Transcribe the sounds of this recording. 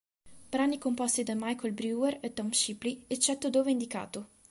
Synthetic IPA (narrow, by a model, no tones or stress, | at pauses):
bɾanikompɔst̪id̪amajkolbɾueɾet̪ːɔmʃipliet͡ʃːɛt̪ːod̪oːveind̪ika̰ːt̪o